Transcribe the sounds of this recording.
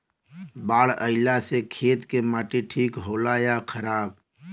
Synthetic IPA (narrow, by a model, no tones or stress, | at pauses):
baːɽəɪlasekʰeːt̪kemaːʈiʈʰiːkɦoːlaːjakʰəɾaːb